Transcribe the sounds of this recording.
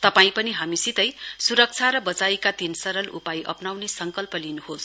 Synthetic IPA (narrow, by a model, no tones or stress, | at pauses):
t̪ʌpaĩpʌniɦamisit̪ʌjsuɾʌk̚t͡sʰaɾʌbʌt͡sajkat̪insʌɾʌlṵpajʔʌ̰pnawnesʌŋkʌlpʌlinuhos